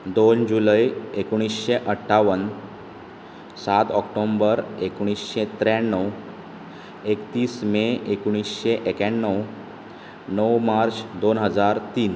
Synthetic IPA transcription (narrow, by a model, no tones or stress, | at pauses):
d̪ond͡ʑuləjekuɽ̃isɕeʔəʈʰːaʋən | sat̪ɔkʈombəɾekuɽ̃isɕet̪ɾjaɳːəw | ekt̪iːsmeekuɽ̃isɕeʔekaɳːəw | nəwmaɾt͡ɕd̪onɦəd͡zaɾt̪iːn